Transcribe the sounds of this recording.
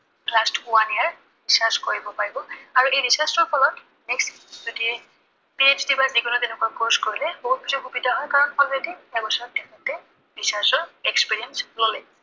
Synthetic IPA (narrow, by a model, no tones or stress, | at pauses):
lastwaniaɹ | disaɹskoɹibɔpaɹibɔaɹuʔejɹisasɔɹpʰɔlɔt | nɛkstzotiɛ | pied͡ʒdibaziɡɔnɔtenɛkuakoskoɹilɛboɦut̚bizuxubidʱaɦɔjkaɹɔnpʰɔletɛɛbɔsɔɹɔtːɛkɛtɛ | ɹisasɔɹekspiɹiɛnslolɛ